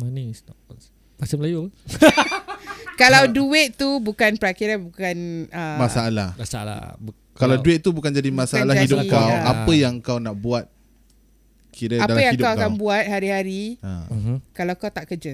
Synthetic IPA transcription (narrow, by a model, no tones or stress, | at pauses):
manistɔkɔn | pasəməlaju | kalawduɪʔ̪t̪ubukanpəɾakiɾabukanəmasaːlahmasala̰ | kalawduɪt̪̚t̪ubukand͡ʒadimãsaalahaidʊkawapəjaŋkawnaʔbuat̪̚ | kiɾəadalaəjaŋiddkawkkaŋbuat̪̚haɾihaɾiə̰kalawkawt̪aʔkəd͡ʒə